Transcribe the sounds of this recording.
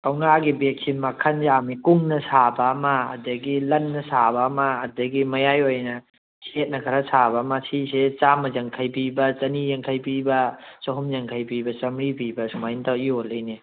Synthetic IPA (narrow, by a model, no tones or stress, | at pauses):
awŋaɡibek̚simɐkʰɐnzamikuŋnɐsabɐːmɐːdɐɡilɐnːɐsabɐːmɐːdɐɡimɐjajojnɐ | sʰet̚nɐkʰɐɾɐsʰabɐmasʰiset͡ʃamɐzɐŋkʰɐjpibɐt͡ʃɐnijɐŋkʰɐjpibɐsɐɦumjɐŋkʰɐjpibɐsɐmɾipibɐsumajntaiolɯjne